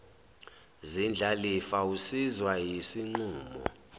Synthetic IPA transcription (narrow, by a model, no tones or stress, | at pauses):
zind͡ɮʱalifausizwajisiŋ͡ǃuːmɔ̰